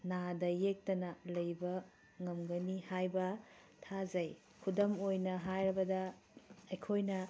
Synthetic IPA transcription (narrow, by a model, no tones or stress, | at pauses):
nadɐjek̚tɐnɐlɐjbɐ | ŋɐmɡɐnihajbɐ | tʰazɐj | kʰudɐmojnɐɦajɾɐbɐdɐ | ɐjkʰojnɐ